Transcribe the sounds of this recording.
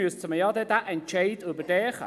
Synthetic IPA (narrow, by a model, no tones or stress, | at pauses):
uːstʰəməjɔd̪ɛd̪aʔɛnt͡ʃʰejd̪ubədɛːxə̰